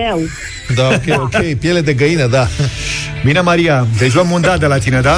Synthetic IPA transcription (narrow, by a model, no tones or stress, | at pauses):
aw | d̪akʲejokʲejpjele̞d̪e̞ɡəinəd̪a | binəmaɾiavesʲluamund̪ad̪elat̪ined̪a